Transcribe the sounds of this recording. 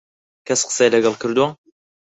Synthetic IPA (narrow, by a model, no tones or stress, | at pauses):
kʰɐsqə̥sejlɐɡɐlˠkɨɾd̪uwa